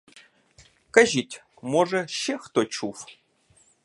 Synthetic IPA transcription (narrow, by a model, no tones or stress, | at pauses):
kəʑitʲ | moʐəɕext̪ot͡ɕuf